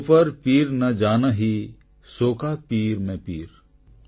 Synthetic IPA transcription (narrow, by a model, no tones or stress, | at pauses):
pəɾpiːɾnɐd͡ʒaːnaɦi | soːkapiːɾmẽpiːɾ